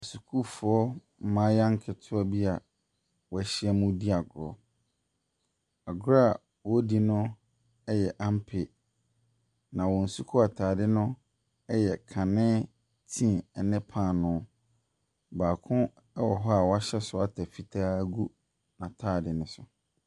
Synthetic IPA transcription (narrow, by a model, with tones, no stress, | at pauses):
ɔ˨su˨kʰuː˦fʊ˨˦ɔ˦ | m̩˦mã˦jã˦ŋ˦kʰɪ˨tʰʊ˦ɔ˦bi˦a˨ | wɔ˨ɛ˨˦ɕɪ˦ɛ˦mũ˦di˦a˨ɡʊ˨ɾɔ˨ | a˨ɡɾa˦˨ | wɔ˦di˦nʊ̃˦ | ɛ˦jɛ˨ʔã˦m˦pʰɪ˨ | nã˨wɔ˨n̩˨su˦kʰu˦a˨tʰaː˨dɪ˦nʊ̃˦ | ɛ˦jɛ˨kʰã˨nɪ̃˦ | tʰĩ˦˨ɛ˨nɪ̃˦pʰã˦˨nʊ̃˦ | baː˨kʰʊ̃˦ | ɛ˦wɔ˨ɦɔ˦a˨wɔ˨˦a˦ɕɛ˦sʊ˦a˨tʰa˨fi˨tʰaː˦ɡu˦ | nã˨tʰaː˦˨dɪ˨nʊ̃˦sʊ˨